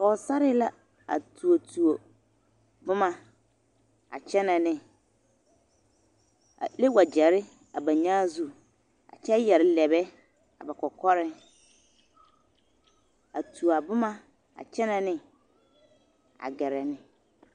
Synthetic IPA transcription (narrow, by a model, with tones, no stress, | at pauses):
ɔ˨sa˦ɾɪ˦la˦ | a̰˨tʰu˨o˨tʰu˨o˨ | bʊ˦mã˦ | a̰˨t͡ɕʰɛ˦nã˨nɪ̃˨ | a̰˨le˦wa˨d͡ʑɛ˨ɾɪ˦ | a˨bã˨ɲã˦zu˦ | a̰˨t͡ɕʰɛ˦jɛ˨ɾɪ˦lɛ˨bɛ˦ | a̰˨bɛ˨kʰɔ˨kʰɔ˦ɾɪ̃˦ | a̰˨tʰu˨a˨bʊ˦mã˦ | a̰˨t͡ɕʰɛ˦nã˨nɪ̃˦ | a̰˨ɡɛ˨ɾɛ˨nɪ̃˨